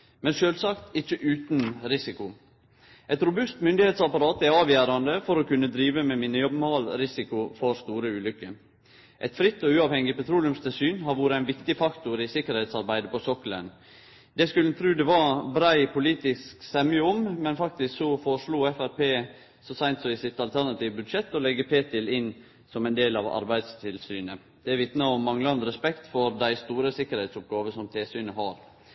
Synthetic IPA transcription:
mɛnʃøːlsɑkt̪ɪçːəʔʉːt̪nɾɪsɪkʊ | ʔɛt̪ɾʊbʉst̪mʏnd̪ɪheːt̪sɑpɑɾɑːt̪æɑːʋjæːɾɑnd̪əfɔɾɔkʉnːəd̪ɾiːʋəmɛmiːnəjɔbmhɑlɾɪsɪkʊfɔɾst̪uːɾəʉːlʏkːə | ʔɛt̪fɾɪt̪ːɔʉːɑːʋhɛŋːɪpɛt̪ʰɾuːlɪʉmst̪ʰɪlsyːnɦɑɾʋuːɾəæɪnʋɪkt̪ɪfɑkt̪ʊɾɪsɪkəɾhɛɪt̪sɑɾbæɪd̪əpɔsɔkːlə̰n | d̪ɛskʉlən̩t̪ʰɾʉːd̪ɛʋɑbɾæɪpʰʊliːt̪ɪsksɛmʏəɔmmɛnfɑk̚t̪ɪsksɔfɔʂɭuːɛfæɾpeː | sɔsæɪnt̪sɔɪsɪt̪ːɑlt̪ʰæɾnɑt̪ʰiːʋəbʉd̪ʂɛt̪ːɔlɛɡːəpʰeːt̪ʰɪlɪn | sɔmæɛɪnd̪eːlɑːʋɑ̰ɾbæɪd̪st̪ʰɪlsyːnə | d̪̥ɛæɾʋɪt̪nɑɔmːɑŋləɑnd̪əɾɛspɛkt̪fɔɾd̪æɪst̪uːɾəsɪkːəɾhɛɪt̪sʊp̚ɡɑːʋəsɔmt̪ʰeːsyːnəɦɑɾ

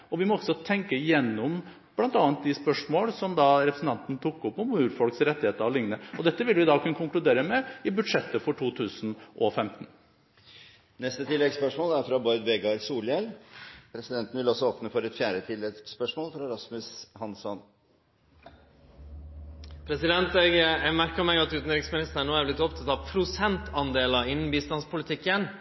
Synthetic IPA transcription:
ɔʋɪmɔɔɡsɔt̪ʰɛŋkəjɛnːɔm | b̥lɑnt̪ɑːənt̪̚d̪ɪspœʂmoːlsɔmd̪ɑɾɛpɾəsn̩t̪ɑnt̪n̩t̪ʰukːɔpːɔmʉːɾfɔlksɾɛt̪ːɪheːt̪əɾɑʋlɪŋnəɔd̪ɛt̪ːəʋɪlʋɪd̪ɑːkʰʉnːəkʰʊŋklʉd̪eːɾəmɛɪbʉd̪ʂɛt̪ːəfɔʈʰuːt̪ʰʉːsənʔɔfɛmt̪ən | nɛst̪ət̪ʰɪlːɛɡspœʂmoːlæɾfɾɑbɔd̪ʋɛɡɑɾsuːljɛlpʰɾɛsɪd̪ɛnt̪ən̩ʋɪlɔsɔɔːpnəfɔɾɛt̪fjæːɾət̪ʰɪlːɛɡspœʂmoːlfɾɑɛɾɑsmʉshɑnsɔn | pʰɾɛsɪd̪ɛnt̪ɛɡmæɾkəmɛɪɑt̪ʉːt̪n̩ɾɪɡsmɪnɪst̪əɳːoːæɾblɪt̪ɔpt̪ʰɑt̪ɑʋpʰɾʊsɛnt̪ʰɑnd̪eːlɑɪnːn̩biːst̪ɑnspʰʊlɪt̪ʰɪkːən

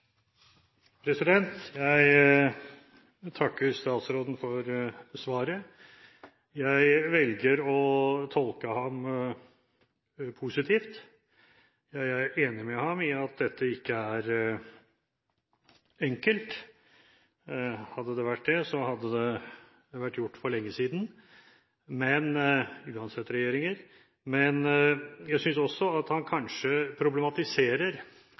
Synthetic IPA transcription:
pʰɾɛsɪd̪ɛnt̪jæɪ | t̪ʰɑkːəɾst̪ɑːt̪sɾoːd̪n̩fɔɾsʋɑːɾə | jæɪʋɛlɡəɾɔt̪ʰɔlkəhɑm | pʰʊsɪt̪ʰiːft̪ | jæɪæɾeːnɪmɛhɑmɪɑt̪̚d̪ɛt̪ʰːəɪkːəæɾ | ɛŋkəlt̪ | hɑd̪ːəd̪ɛʋæʈ̚ːd̪ɛsɔhɑd̪ːəd̪ɛ | ʋæʈːjʊʈːfɔɭɛŋːəsiːd̪n | mɛnʉːɑnsɛt̪ːɾɛjeːɾɪŋəɾ | mɛnjæɪsʏnsɔsːɔɑt̪hɑnkʰɑnʂəpʰɾʊblɛmɑt̪ɪseːɾəɾ

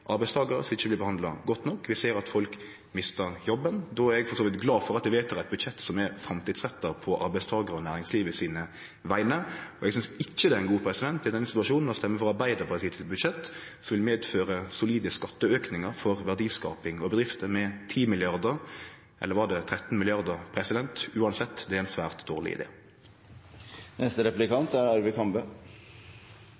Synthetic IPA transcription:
ʔɑɾbæɪst̪ʰɑːɡəɾəsɪçːəblɪbəhɑnd̪lɑɡɔt̪ːnɔkːʋɪseːɾɑt̪fɔlk | mɪst̪əɾjɔbːənd̪ɔæɾɛɡfɔsoːʋɪt̪ɡlɑːfɔɾɑt̪ʋɪʋeːt̪əːɾæt̪̚bʉd̪ʃɛt̪ːsɔmɛɾfɾɛmt̪iːd̪sʁɛt̪ːɑpʰɔʔɑɾbæɪst̪ʰɑːɡəɾəɔnæːɾɪŋsliːʋəɪsiːnə | ʋæɪnəɔɛɡsʏnsɪt͡ʃːəd̪ɛæɛnɡuːpʰɾɛsɪd̪ɛnt̪d̪æɪd̪ɛnəsɪ̥t̪ʉɑʃuːnnst̪ɛmːəfɔɾɑɾbæɪd̪əbɑsiːt̪ʰɪlbʉd̪ʃɛt̪ːsɔmʋɪlmeːd̪føːʁəsʊliːd̪əskɑt̪ːəøːknɪŋəʁfɔʁʋæʁd̪iːskɑ̰ːpɪŋɔbəd̪ɾɪft̪əmɛt̪ʰiːmɪlɪɑʁd̪əʁ | ʔɛ̰lːəɾʋɑʁd̪ɛt̪ʰʁɛt̪n̩mɪlɪɑʁd̪əʁpʰɾɛsɪd̪ɛnt̪ʉːɑnsɛt̪ːd̪ɛæɾɛɪnsʋæːʁt̪d̪oːʁlɪ̰ɪ̰d̪ḛː | nʔɛst̪əɾɛplɪkɑnt̪æɾɑɾʋɪkʰɑmbə

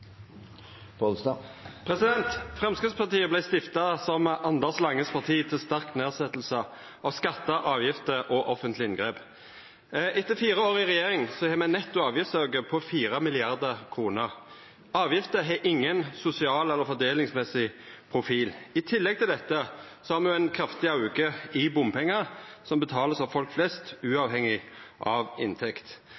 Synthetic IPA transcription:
pɔlsɑpʰʁɛsɪd̪ɛnt̪fʁɛmskʁɪspʰɑʁt̪iːəblæɪst̪ɪft̪ɑsɔmɑnd̪əslɑŋːəspʰɑʁt̪ʰiːt̪ʰɪlst̪æʁkneːsɛt̪l̩sə | ɑʋskɑt̪ːəʔɑːʋjɪft̪əʔɔʔɔfənt̪lɪɪnɡʁeːp | ʔɛt̪ːəfiːɾəoːɾɪʁɛjeːʁɪŋsɔhɛːmɛnɛt̪ːʊɑːʋjɪft̪søɡəpʰɔfiːɾəmɪlɪɑʁd̪əʁkʰʁuːnəɾ | ɑːʋjɪft̪əɦɛʔɪŋːənsʊsɪɑːlɛlːəɾfɔd̪eːlɪŋsmɛsɪpʰʁʊfiːlɪt̪ʰɪlːɛɡ̚t̪ʰɪld̪ɛt̪ːəsɔhæːɾmɛjʊæɪnkʰɾɑft̪ɪɑʉkəɪbʊmpʰɛŋːəɾsɔmbət̪ʰɑːləsɑʋfɔlkflɛst̪ʉːɑʋhɛŋːɪʔɑːʋɪ̰nt̪ʰɛkt̪

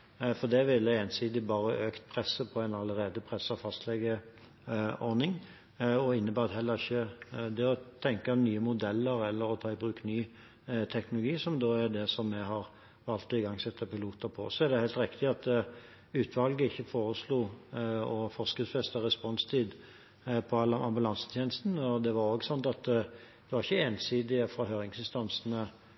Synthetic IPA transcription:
fɔd̪ɛʋɪlːəeːnsiːd̪ɪbɑːɾəʔøːkt̪̚pʰɾɛsːəpʰɔæɪnɑləɾeːd̪əpʰɾɛsɑʋfɑst̪lɛɡə | ɔɾnɪŋ | ɔɪnːəbæːʁɑt̪hɛlːəɾɪçːəd̪ɛɔt̪ʰɛŋkɑnyːəmʊd̪ɛlːəɾɛlːəɾɔt̪ʰɑːɪbɾʉːknyː | t̪ʰɛknʊlʊɡiːsɔmd̪oːæɾd̪ɛsɔmːɛɦɑʁ | ʋɑlt̪ɔɪɡɑŋsɛt̪ːəpɪluːt̪əpʰɔsːɔɛʁd̪ɛhæɪlt̪ɾɪkt̪ɪɑt̪ | ʉːt̪ʰʋɑlɡəɪçːəfoːɾəsluːɔfɔʁskəsfɛst̪əɾɛspɔnst̪ʰiːd̪ | pʰɔɑlɑɑmbʉlɑnsə̥t̪ʰjeːnəst̪n̩ɔd̪ɛʋɑɾoːɡsɔnt̪ɑt̪ | d̪̥ɛʋɑɾɪçːəeːnsiːd̪ɪəfɑɦøːɾɪŋsɪnst̪ɑnsnə

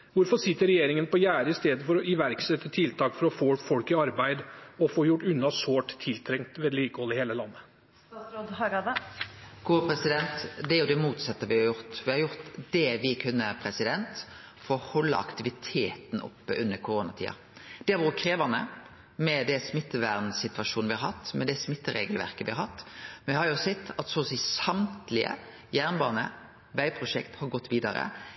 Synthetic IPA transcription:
ʋʊɾfɔsɪt̪ːəɾɛjeːɾɪŋənpɔjæːɾəɪst̪eːd̪əfɔɾɔɪʋæɾksɛt̪ːət̪ʰɪlt̪ʰɑːkfɔɾɔfoːfɔlkɪɑɾbæɪd̪ɔfoːjʊʈːʉnːɑsoːʈt̪ʰːɪlt̪ʰɾɛŋt̪ʋɛd̪liːkəhɔləheːləlɑnːə | sɾod̪hɑɾɑd̪əɡ̥uːpʰɾɛsɪd̪ɛnt̪d̪ɛæɾjʊd̪ɛmuːt̪sɑt̪ːəʋɪhɑɾjʊɾt̪ʋɪhɑɾjʊʁt̪d̪ɛʋɪkʰʉnːə̰pʰɾɛsɪd̪ɛnt̪ | fɔɾɔhɔlːə̰ɑ̰kt̪ɪʋɪt̪ʰeːt̪nʊ̰pːəʔʉnːəɾkʰʊɾoːnɑt̪ʰḭːɑ̰ | d̪̥ɛɑʋuəkʰɾeːʋɑnə̰ | mɛd̪ɛsmɪt̪ːəʋæɾnsɪt̪ʋɑʂuːnʋɪhɑɾhɑt̪ːmɛd̪ɛsmɪt̪ːəɾḛːɡəlʋæ̰ɾkəʋɪhɑɾhɑt̪ːɛnʋɪhɑɾjʊsɛt̪ːɑt̪sɔːsiːsɑmt̪lɪə̰ | jæːʁnbɑːʁnə̰ | ʋæɪpʰɾʊʂɛ̰kt̪hɑɾɡɔt̪ːʋiːd̪ɑɾə̰

